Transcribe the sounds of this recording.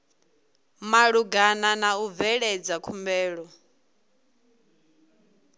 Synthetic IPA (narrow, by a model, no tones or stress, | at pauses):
maɺuɡananauvɛɺɛd͡zakʰumbɛːɺɔ